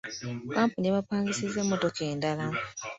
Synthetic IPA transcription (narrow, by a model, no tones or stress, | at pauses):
kaːmpunieβapaːŋɡisize̞mːo̞to̞kʰe̞ːndala